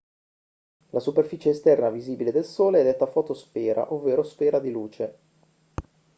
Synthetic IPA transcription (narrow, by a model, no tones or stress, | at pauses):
lʔasuperfiːt͡ʃeːst̪ɛrnaviziːbiled̪elsoːleɛd̪ɛt̪ːafɔːt̪ospɛːɾa̰ʔovːeːɾospɛːɾad̪iluːt͡ʃe